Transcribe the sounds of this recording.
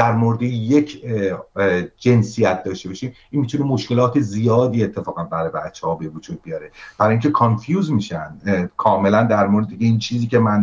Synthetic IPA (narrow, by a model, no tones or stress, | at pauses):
d̪æɾmoɾed̪ejecʰ | d͡ʒe̞nsijæt̪̚ʰd̪ɒːʃt̪e̞bɒʃiːm | iːnmit̪unemoʃke̞lɒːt̪ʰezijɒːd̪iːet̪ʰːe̞fɒːɣænbæɾɒːjbæt̪t͡ʃʰːehɒːbevod͡ʒuːd̪̚bijɒːɾeb̥æɾɒːjiːŋcʲʰe̞kʰonfjuːzmiʃænd̪kʰɒːme̞lænd̪æɾmoɾed̪ejeiːnt͡ʃʰiːziːce̞mæn